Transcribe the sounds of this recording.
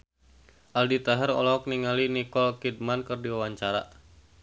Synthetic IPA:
ʔaldit̪aɦɛrɔ̰lɔɔk̚niŋalinikɔlkid̚mankərdiwawaɲt͡ʃaɾa̰

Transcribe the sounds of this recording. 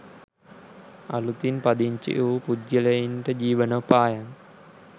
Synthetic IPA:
a̰lut̪inpad̪iɲt͡ʃḭʔupud͡ʒilɐinʈəd͡ʒiːʋənopaːjaŋ

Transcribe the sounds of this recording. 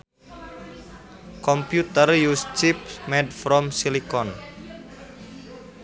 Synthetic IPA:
kɔmpjut̪ərjust͡ʃip̚mɛdfɾɔmsilikɔn

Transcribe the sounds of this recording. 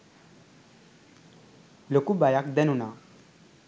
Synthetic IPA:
lokubajakd̪ənuna

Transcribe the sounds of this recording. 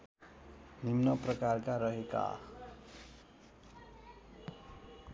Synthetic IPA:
nimnʌprʌkarkaɾʌɦeka̰

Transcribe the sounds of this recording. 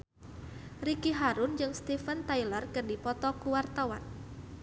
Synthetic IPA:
rikiɦaɾund͡ʒɨŋst̪ifənt̪ajlərkərdipɔt̪ɔkuwart̪awan

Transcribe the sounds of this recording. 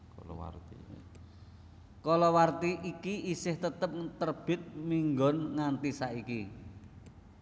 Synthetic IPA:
lwa̰ri | kɔlɔwart̪iʔikiisɪht̪ət̪əp̚t̪ərb̥ɪt̪̚miŋɡɔnŋant̪isaʔiki

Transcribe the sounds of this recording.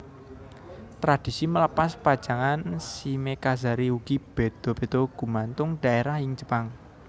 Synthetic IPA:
t̪ɾad̪̥i̤simələpaspad̥d͡ʒ̥a̤ŋansimekazaɾiuɡ̥ib̥e̤d̪̥o̤b̥e̤d̪̥oɡ̥ṳmant̪ʊŋɖ̥a̤eɾahɪŋt͡ʃə̥paŋ

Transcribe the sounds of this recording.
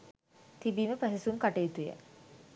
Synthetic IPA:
t̪ibiːməpɾæɦesuumkaʈejːt̪ujə̰

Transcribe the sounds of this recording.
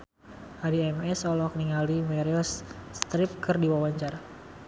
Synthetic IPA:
ʔaɾiɛmɛsɔlɔkəniŋalimɛɾiɔsːt̪ɾɪp̚kɨrdiwawaɲt͡ʃara

